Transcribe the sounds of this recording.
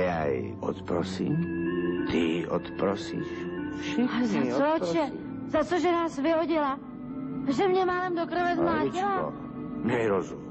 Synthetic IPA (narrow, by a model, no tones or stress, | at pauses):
ja̰i | ɔ̰t̪pɾɔsiːmt̪iɔt̪pɾɔsḭːʃfʃɪazat͡sɔt͡ʃɛ | zat͡soʒɛnaːsvɪɦɔɟɪla | ʒɛmɲɛmalɛmd̪okɾvɛzmlaːɟɪlaɔ̰ | mɲɛiɾozum